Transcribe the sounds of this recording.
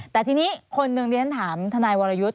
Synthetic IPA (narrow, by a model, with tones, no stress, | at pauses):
tt̪ɛː˨˩t̪ʰiː˧niː˦˥kʰo˧nːɯ˨˧˩ŋdi˧a˦nt̪ʰaː˩˦mt̪ʰa˧naː˧jwaː˧ɾa˧ju˦˥t̪̚